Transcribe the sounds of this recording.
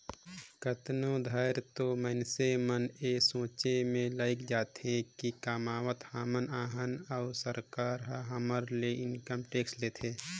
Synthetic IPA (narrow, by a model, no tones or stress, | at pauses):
kət̪nod̪ʱəɪɾt̪omənseməneːsõːt͡ʃemẽlaːɪkd͡ʒaːt̪ɦẽkikaːmaːʋət̪haːmənaːɦənaːɾsəɾkaːɾɦɦəməɾleɪnkəmʈeːksleːt̪ʰeː